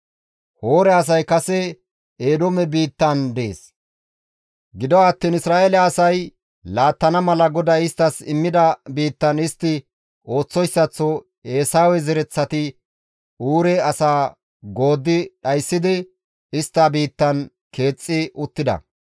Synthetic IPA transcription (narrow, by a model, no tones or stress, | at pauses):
ho̞ːɾɛɐs̬ɐjkɐsɛ | eːd̪omɛbiːt̪ːɐnd̪e̞̰ːs | ɡɪd̪ɔɐt̪ːinɪsɾaːelɛɐsɐj | laːt̪ːɐnɐmɐlɐɡɔd̪ɐɪst̪ːɐsɪmːɪd̪ɐbiːt̪ːɐnɪst̪ːɪ | o̞ːt͡sːɔjsːɐt͡sːɔ | eːsaːwɛzɛɾɛt͡sːɐt̪ɪ | uːɾɛɐsaː | ɡo̞ːd̪ːɪɗɐjsːɪd̪ɪ | ɪst̪ːabiːt̪ːɐn | ke̞ːt͡sʼːɪʔʊt̪ːɪd̪ɐ̰